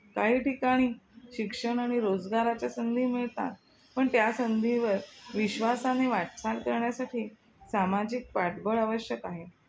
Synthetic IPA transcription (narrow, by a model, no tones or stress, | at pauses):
kaɦiːʈikaɽ̃iːɕikʂəɳ̃aɽ̃iɾod͡zɡaɾat͡ɕasənd̪ʱiːmiɭt̪a̰t̪ | pəɳt̪jasənd̪ʱiʋəɾʋiɕʋasaneʋaʈt͡salkəɾɳjasaʈiː | samad͡ʑik̚paʈbəɭəʋəɕjəkaɦe